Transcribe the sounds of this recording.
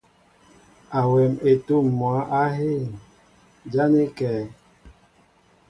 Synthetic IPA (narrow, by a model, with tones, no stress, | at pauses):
a˨wɛ˨me˨tu˦˨mː˨ɔ˨˦ʔa˦ɦe˦˨ | d͡ʒa˦ne˦kɛː˨